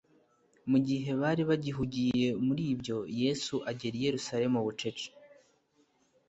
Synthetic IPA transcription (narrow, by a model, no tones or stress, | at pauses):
muɟiɦe̞βaːɾiβaɟiɦuɟijje̞muɾiːbjo̞je̞ːsuʔaɟe̞ɾije̞ɾusaɾe̞muβut͡ʃe̞t͡ʃe̥